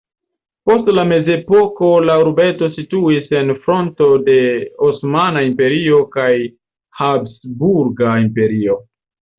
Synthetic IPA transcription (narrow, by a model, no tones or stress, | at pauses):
po̞stlame̞ze̞po̞ko̞lauɾbe̞to̞situise̞nfɾo̞nto̞de̞osmanaimpe̞ɾio̞kaj | habsbuɾɡaimpe̞ɾio̞